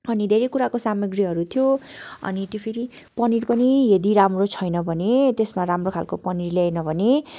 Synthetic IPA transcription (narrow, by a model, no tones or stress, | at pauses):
ʌnid̪ʱeɾekuɾakosamʌɡriɦʌɾut̪ʰijoʌ̰nit̪jopʰeɾi | pʌniɾpʌnijʌd̪iɾamrot͡sʰʌjnʌbʱʌnet̪esmaɾamrokʰalkopʌniɾlenʌbʱʌne